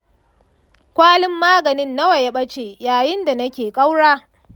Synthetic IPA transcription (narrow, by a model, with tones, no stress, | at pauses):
kʷaː˦lɪ˦mːaː˦ɡɐ˨nɪ˦nːa˦wɐ˨ja˨˦ɓɐ˦t͡ʃeː˨jaː˨jɪ˦nda˨nɐ˦kʲeː˨kʼa˦wɽaː˦